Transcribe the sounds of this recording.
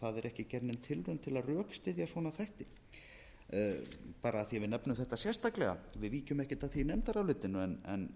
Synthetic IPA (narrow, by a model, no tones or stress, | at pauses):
θaðɛɾɛhcɪcɛɾnɪnt̪ʰɪlrʏnt̪ʰɪlaðrœːkst̪ɪðjasvɔnaθajht̪ɪ | paːɾaːθiavɪnɛpnʏmθɛht̪asjɛst̪aklɛɣa̰vɪðviːcʏmɛhcɪt̪aθinɛmt̪aɾawlɪt̪ːɪnːʏɛnɛn